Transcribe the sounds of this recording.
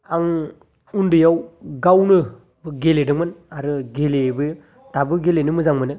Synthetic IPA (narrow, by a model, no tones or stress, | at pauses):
aŋ | undɯjawɡawnɯ | bɯɡeledɯŋmɯnaɾɯɡelebɯ | tabɯɡelenɯmɯzaŋmɯnɯ